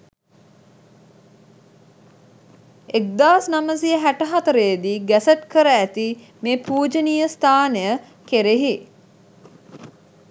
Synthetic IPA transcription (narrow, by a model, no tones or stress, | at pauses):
ek̚d̪aːsnaməsiəɦæʈəɦat̪əɾəjəd̪iːɡæsəʈ̪kəɾəæt̪i | meːpuːd͡ʒənijəst̪ʰaːnejə | keɾeɦi